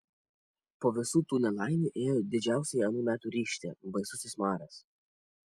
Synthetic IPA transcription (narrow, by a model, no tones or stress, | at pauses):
poːʋʲɪsuːt̪uːnʲɛlˠɑˑɪnʲiʔeːjod̪ʲɪd͡ʒʲæˑʊsʲɛɪɐnuːmʲæːt̪uːɾʲiːʃʲt̪ʲḛːbɐɪsʊsʲɪsmɑːɾɐs